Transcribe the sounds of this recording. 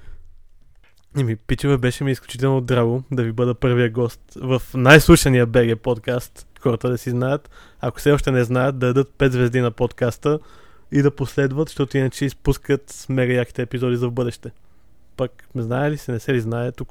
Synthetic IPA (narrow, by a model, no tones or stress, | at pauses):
imipit͡ʃivɛbɛʃɛmiːsklʲut͡ʃit̪ɛlˠnod̪ɾaɡod̪ɐvibɤd̪əpɤɾvijəɡɔst̪vɐfnajslˠuʃɐnijəbɛɡɛpot̪kast̪xɔɾɐt̪əd̪ɐsiznajət̪ | ɐko̥sɛɔʃt̪ɛnɛznajət̪̚d̪ɐd̪ɐd̪ɤt̪̚pɛt̪zvɛzd̪inɐpot̪kast̪ə | id̪ɐposlɛd̪vət̪ʃt̪ɔt̪oinɐt͡ʃɛispuskət̪smɛɡɐjaki̥t̪ɛːpizɔd̪izɐvbɤd̪ɛʃt̪ɛ | pɐk | znaɛlisɛnɛsɛliznaɛt̪uk